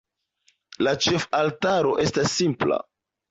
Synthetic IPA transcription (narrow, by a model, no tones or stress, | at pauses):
lat͡ʃe̞faltaɾo̞ʔe̞stasːimpla̰